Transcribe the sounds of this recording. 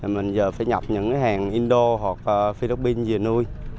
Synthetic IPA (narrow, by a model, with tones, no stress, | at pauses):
a˨˩mï˨˩ŋ̟zəː˨˩faː˧˦jɲa˨˩p̚ɲɨ̰˧˥ŋkːɦaː˨˩ŋʔi˧nɗo˧ɦwa˨˩k̚əː˨˩fi˧li˦˥p̚ːi˧nzi˨˩ənu˧j